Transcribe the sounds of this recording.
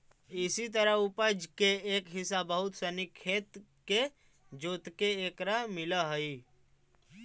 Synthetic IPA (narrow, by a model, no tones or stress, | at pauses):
ɪsit̪əɾəɦupəd͡ʒkeeːkɦɪsabəɦʊt̪sənikʰːeːt̪ | ke | d͡ʒoːt̪keeːkɾamɪləɦəi